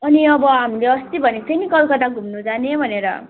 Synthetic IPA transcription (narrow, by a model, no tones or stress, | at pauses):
ʌniʌbʌɦamileʌst̪ibʱʌnet͡sʌjnikʌlkʌd̪aɡʱumnud͡zanebʱʌneɾʌ̰